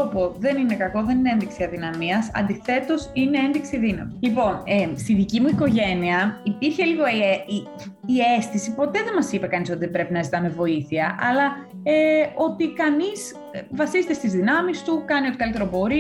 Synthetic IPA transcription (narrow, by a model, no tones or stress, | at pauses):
opoðe̞nine̞kɐko̞ðe̞nineenðiksiɐðinɐmiɐsɐ̰nd̪iθe̞t̪o̞sine̞enðiksiðinɐ̰milipo̞nest̪iðicimuiko̞ʝe̞niɐipiɾçe̞liɣo̞ei | ie̞st̪isipo̞t̪e̞ðemɐsipɐkɐniso̞t̪iðebɾe̞pinɐezit̪ɐmevo̞iθiɐʔɐlɐ | eo̞t̪ikɐnis | vɐsizet̪est̪izðinɐmist̪ukɐniot̪ikɐlit̪e̞ɾopo̞ɾi